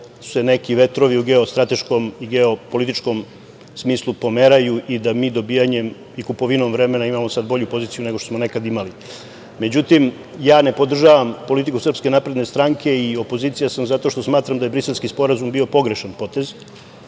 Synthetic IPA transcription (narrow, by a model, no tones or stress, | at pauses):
sse̞ne̞kiʋe̞t̪ɾoʋiuɡe̞o̞st̪ɾat̪e̞ʃko̞miɡeo̞polit̪it͡ʃko̞m | smiːslˠupo̞meɾajuʔid̪amiːd̪o̞bijaɲem | ikupo̞ʋinomʋɾe̞me̞naimamosad̪̚bo̞ʎupo̞ziːt̪sijuneɡoʃt̪osmo̞ne̞kad̪imali | me̞d͡ʑut̪im | jaːne̞po̞d̪r̩ʒaːʋampo̞lit̪ikusr̩pske̞napɾed̪nest̪ɾaŋkʰe̞io̞po̞ziːt̪sijasamzat̪o̞ʃt̪o̞smaːt̪ɾamd̪ajebɾiselʲskispo̞ɾazumbio̞po̞ɡɾe̞ʃanpo̞t̪e̞z